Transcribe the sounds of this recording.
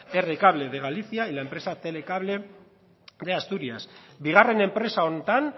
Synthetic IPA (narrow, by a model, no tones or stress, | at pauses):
e̞rekaβ̞le̞ðeɣ̞aliθiaelaempɾe̞sat̪e̞le̞kaβle̞ | ðe̞ast̪uɾiasbiɣ̞are̞ne̞mpɾe̞saont̪an